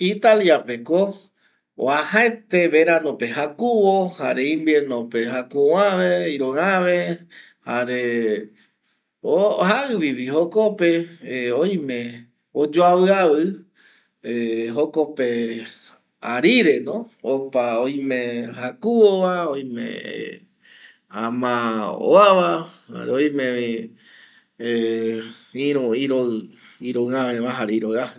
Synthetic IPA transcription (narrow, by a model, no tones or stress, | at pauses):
it̪aljape̞ko̰ | ahaet̪e̞βeɾanõpe̞hakuβoha̰ɾeĩmbeɾnõpe̞hakuãʋeiɾõaʋe | haɾe | ohaɨβiβihokopeoj̃mẽ̞ | od͡ʒoaβɨaβɨ | eɦokope | aɾiɾenõopaoj̃mẽhakuoʋaoj̃mḛ̃ | ãmão̰aʋaa̰ɾeoj̃mẽi | ĩɾũiɾoiɾoɨãmẽmãɦaɾiɾoa